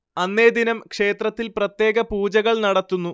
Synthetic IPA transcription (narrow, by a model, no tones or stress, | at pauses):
ɐnːe̞ːd̪inɐmkʂe̞ːt̪rɐt̪ːilprɐt̪je̞ːɣɐpuːd͡ʑɐɣɐɭnɐɽɐt̪ːunːu